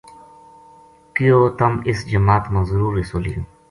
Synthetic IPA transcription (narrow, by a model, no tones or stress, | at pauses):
kijoːt̪ɐmisd͡ʑɐmaːt̪mɐzɾuːɾisolḭ